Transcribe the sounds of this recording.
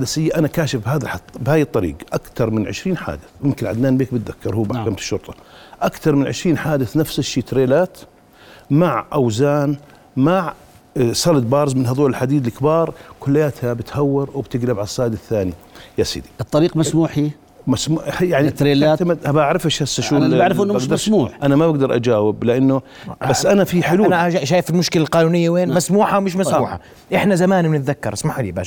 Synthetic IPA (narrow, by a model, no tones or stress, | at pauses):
ħad̪asɪjːaʔanakaːʃɪfbhaːðaħɑt̪ˤːbhaːjt̪ˤːɑɾḭːɡʔakt̪ɑɾˤmɪnʕɪ̰ʃɾiːnħa̰ːd̪ɪθjɪmkɪnʕa̰d̪naːnbeːk̚bɪt̪ðakːɑɾˤhuːbaħkamt̪ɪ̥ʃːʊɾt̪ˤɑ̥ʔakt̪ɑɾˤmɪnʕɪ̰ʃɾiːnħaːd̪ɪθnafsɪʃːiːt̪ɾeːlaːt̪ | maʕʔawzaːn | maʕ | sˤɑld̪̚bɑːɾzmɪnhaðˤoːlɪlħad̪iːd̪lɪkbɑːɾˤkʊlːɪjaːt̪habɪt̪hawːɪɾwbt̪ɪɡlɪbʕalsˤːɑːd̪ɪθːaːni | jasˤḭːd̪iɨt̪ˤːɑɾiːqmasmuːħi | masmujaʕnit̪ːɾelamaabʔaʕɾɪfɪʃhasːaʃuːaʕɾɪfʔɪnːsmuːħʔanamabaɡd̪ɑɾˤʔa̰d͡ʒaːwɪblɪʔanːʊ | basːʔanafiħʊluːaaʃaːjfɪlmʊʃkɪlalqɑːnuːnɪjːaweːnmasmuːħawmɪʃ̬masmuːħa̰ | ʔɪħnazamaːnmɪnɪt̪ðakːɑɾˤɪsmaħʊliːba̰ːʃ